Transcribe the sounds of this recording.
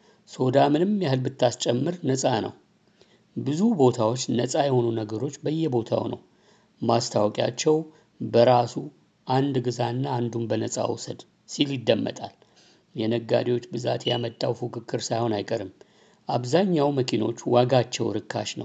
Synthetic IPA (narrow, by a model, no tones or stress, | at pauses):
so̞d̪amɨnɨmjahɨlbɨt̪ʰːast͡ʃʼɛmːɨɾnəsʼanə̰w | bɨzubo̞t̪ʰawot͡ʃːnəsʼajɛhonunəɡəɾo̞t͡ʃːbəjːɛbo̞t̪ʰa̰wnə̰w | mast̪ʰawkʼja̰t͡ʃːɛw | bəɾasu | ʔand̪ɡɨzanːaːnd̪umbənəsʼa̰wsəd̪ | siljɪd̪ːəmːə̰t̪ʼal | jɛnəɡːa̰d̪iwo̞t͡ʃːbɨza̰t̪jamət̪ʼːawfukʰɨkʰːɨɾsajho̞najkʼəɾɨm | ʔaβzaɲːawməkʰino̞̰t͡ʃːwaɡat͡ʃːɛwɾɨkʰːa̰ʃnə̰w